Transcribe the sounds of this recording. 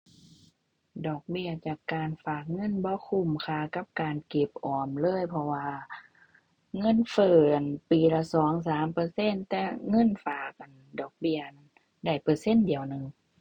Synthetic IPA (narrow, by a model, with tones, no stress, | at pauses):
dɔː˨˩k̚bi˧˩ɐt͡ɕaː˨˩kːaː˨nfaː˨˩k̚ŋɤ˧˥˨nbɔː˧˦kʰu˧˨mkʰaː˧˨ka˧˥p̚kaː˨nke˧˩p̚ʔɔː˨˩mlɤː˧˥˨jpʰɔ˧waː˧ | ŋɤ˧˥˨nfɤː˧˩ʔa˨˩npiː˨˩la˧˩sɔː˨˦ŋs̬aː˨˦mpɤː˧˦se˧˥˨nt̪ɛː˧˥ŋɤ˧˥˨nfaː˨˩k̚ʔa˨˩ndɔː˨˩k̚bi˧˩ɐəʔ | da˧˩jpɤː˨˧˦se˧˥˨ndi˨˩əwnɯ˨ŋ